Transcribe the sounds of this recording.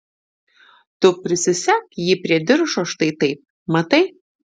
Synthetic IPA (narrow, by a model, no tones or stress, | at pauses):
t̪ʊpʲɾʲɪsʲɪsʲækjiːpʲɾʲiɛd̪ʲɪɾʃoːʃt̪ɐɪt̪ɐɪp̚ | mɐt̪ɐɪ